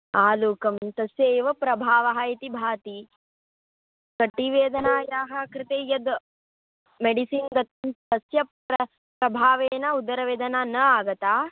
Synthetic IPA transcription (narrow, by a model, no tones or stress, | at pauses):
aːluːkɐmt̪ɐsjeːʋɐpɾɐbʱaːʋɐɦɐit̪ibʱaːt̪i | kɐʈːiʋeːd̪ɐnaːjaːɦɐkɾɪt̪ejɐd̪ | meɖisinɡɐt̪̚t̪ɐsjɐpɐ | pɾɐbʱaːʋeːnɐud̪ɐɾɐʋeːd̪ɐnaːnɐaːɡɐt̪aː